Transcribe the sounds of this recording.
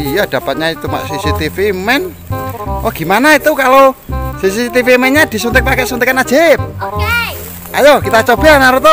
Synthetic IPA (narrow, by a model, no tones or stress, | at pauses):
ijad̪̥a̤pat̪̚ɲait̪uma̰ʔsisit̪ifimɛn | ʔɔɡ̥i̤manait̪ukalosis̬isit̪ifimɛnɲad̪̥i̤sunt̪ɪk̚pakɛʔsunt̪ɪkanḁd͡ʒ̥ep̚ | ajokit̪at͡ʃɔb̥enaɾut̪ɔ